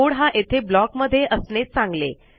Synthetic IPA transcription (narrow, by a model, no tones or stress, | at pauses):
oɽɦãʔet̪ʰeblɔkməd̪ʱːjeʔəsnet͡ssãŋɡlḛ